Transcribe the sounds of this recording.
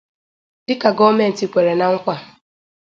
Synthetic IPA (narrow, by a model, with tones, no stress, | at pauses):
dɪ˦ka˨ɡɔ˦me˨n̩˨ti˨kʷe˨ɾe˨na˨ŋ̩˦kʷa˨